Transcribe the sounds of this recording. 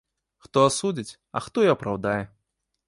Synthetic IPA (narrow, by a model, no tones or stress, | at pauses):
xt̪ɔasud͡zʲit͡sʲ | ɐ̰xt̪ɔiɐpɾawd̪ajɛ